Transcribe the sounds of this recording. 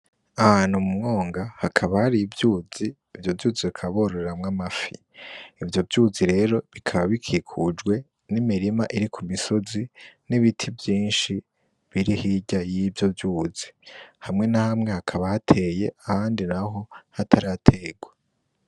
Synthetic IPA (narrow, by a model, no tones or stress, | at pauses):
ahaːnhumumŋo̞ːŋɡahakʰaβahaɾivjuːz̥iːvjo̞vjuːziβikʰaβoɾoɾeɾamŋamafḭ | ivjo̞vjuːziɾe̞ːɾo̞βikʰaβaβikʰikʰud͡ʒɡwe̞ | nimiɾimaʔiɾikʰumiso̞ziniβitʰivjiːnʃi | βiɾihiɟajiːvjo̞vjuːz̥ihamŋe̞nahamŋe̞hakʰaβahatʰe̞ːje̞ʔahaːndinaɦo̞hatʰaɾatʰeːɡwe